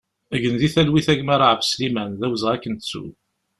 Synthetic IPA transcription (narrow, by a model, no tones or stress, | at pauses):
əʝənðiθælwiθæʝmæɾaʕəvslimænðæwzʁækːənt̪t͡sːṵ